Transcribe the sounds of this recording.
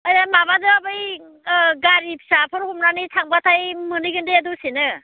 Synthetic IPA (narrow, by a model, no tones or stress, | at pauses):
ajamabazɯabɯj | ɡaɾip̚ʰsapʰɔɾhumnanitʰaŋbatʰajmɯnɯjɡɯndeadusenɯ